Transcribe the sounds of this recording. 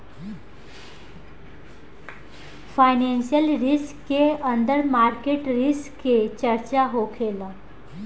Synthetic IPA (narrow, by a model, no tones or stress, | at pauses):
fajnenɕijəlɾiskːeənd̪əɾmaɾkeʈɾiskːet͡ɕəɾt͡ɕaɦokʰela